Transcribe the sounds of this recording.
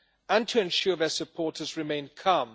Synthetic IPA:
ə̃ntʰəɛ̃nʃɔːðəsəpʰɔˑtʰəzɹɪmẽɪ̃nkʰʌ̃m

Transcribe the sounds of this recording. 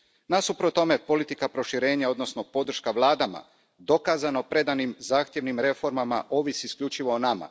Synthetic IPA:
nasupɾot̪o̞me̞po̞lit̪ikapɾo̞ʃiɾe̞ːɲao̞d̪no̞sno̞po̞d̪r̩ʃkaʋlˠaːd̪ama̰ | d̪o̞kaːzano̞pɾe̞d̪animzaːxt̪je̞ʋnimɾe̞fo̞ɾmamaʔo̞ːʋisiːskʎut͡ʃiʋo̞ːnama̰

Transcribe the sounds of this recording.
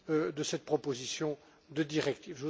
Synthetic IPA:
d̪əsɛt̪̚pχɔpozisjɔ̃ | d̪əd̪iʁɛk̚t̪iːvʒu

